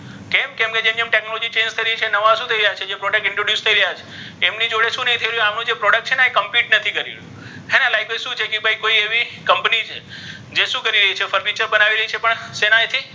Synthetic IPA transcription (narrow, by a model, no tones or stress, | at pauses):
kemkẽmked͡ʒemiemʈeknolɔd͡ʒit͡ʃẽnd͡ʒt̪ʰəiɾəit͡ʃʰenəʋaʃũt̪ʰəiɾəjat͡ʃʰed͡ʒepɾɔɽək̚ʈɪ̃ɳʈɾoɖjust̪ʰəiɾəjat͡ʃʰe | emnid͡ʒoɽeʃũnəɦit̪ʰəiɾəjũamnũd͡ʒepɾɔɽəkʈt͡ʃʰenaekəmpiʈnət̪ʰikəɾḭũ | ɦenalajked͡ʒʃũt͡ʃʰekibʱaikoieʋikəmpnid͡ʒ | d͡ʒeʃũkəɾiɾəɦit͡ʃʰefəɾɾit͡ʃəɾbənaʋiɾəɦit͡ʃʰepəɳsenaet̪ʰi